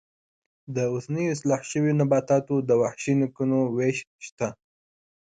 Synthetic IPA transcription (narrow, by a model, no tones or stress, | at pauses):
d̪əʊsnəjoɪslɑħʃəwinabɑt̪ɑt̪od̪əwaħʃinikunoweʃʃt̪a